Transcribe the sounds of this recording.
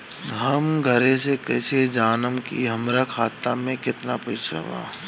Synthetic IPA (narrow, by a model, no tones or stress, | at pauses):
ɦɐmɡʱɐɾẽsekɛːsed͡ʒaːnəmkiɦɐmɾakʰaːt̪ːamẽkɪt̪napɐt͡ʃʰɾɐ̰ʋa̰ː